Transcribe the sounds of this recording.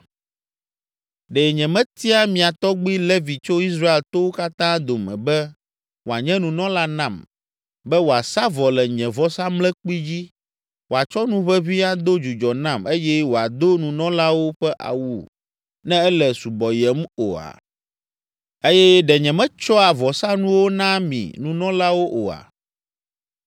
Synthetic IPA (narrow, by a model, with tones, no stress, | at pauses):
ɖɛ˨ɲɛ̃˨mɛ̃˦t̪i˦a˦mĩ˨a˨t̪ɔ˦ɡ͡bi˦le˦vi˨t͡ʃo˦i˦s̬ɾa˦e˨lt̪o˦wo˦ka˦t̪ã˦d̪o˨mɛ̰̃˨bɛ˦ | wo˨a˨ɲɛ̃˦nũ˨nɔ̃˦la˦nã˦˨m | bɛ˦wo˨a˨sa˦vɔ˨lɛ˨ɲɛ̃˨vɔ˦sã˦mlɛ̃˦k͡pi˦d͡ʑi˦ | wo˨a˨t͡ʃɔ˦nũ˦ɸɛ˦βi˦a˦d̪o˦d͡ʒu˨d͡ʒɔ˨nã˦˨me˦jɛ˦wo˨a˨d̪o˦nũ˨nɔ̃˦la˦wo˦ɸɛ˦ʔa̰˨wu˦˨ | nɛ̃˦ɛ˦lɛ˨su˨bɔ˨jɛ˨mo̰˨a̰˨ | e˦jɛ˦ɖɛ˨ɲɛ̃˨mɛ̃˦t͡ʃɔ˦a˨vɔ˨sa˦nũ˦wo˦nã˦mḭ̃˨nũ˨nɔ̃˦la˦wo˦ʔo˨a̰˨